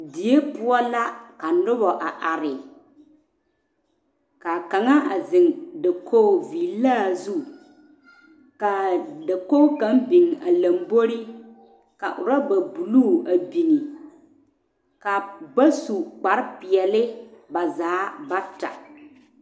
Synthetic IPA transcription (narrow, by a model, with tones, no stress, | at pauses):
di˨˦e˦pʊ˦ɔ˦la˦ka˨nʊ˦bɔ˨ʔa˨ʔa˨ɾɪ˨ | ka˨ka˨ŋa˦ʔa˨zɪ˨ŋda˨kʰo˦˨viː˨laː˦˨zu˦ | ka˨da˨ko˦ka˦m˦bi˨ŋa˨la˨m˦bo˦ɾi˦ | ka̰˨ʔʊ̰˨ɾa˦ba˨bu˨luː˦˨a˨bi˨ni˨ | ka˨ba˦su˨k͡pa˨ɾɪ˦pɪ˨ɛ˨lɪ˦ba˨zaː˨˦ba˦ta̰˨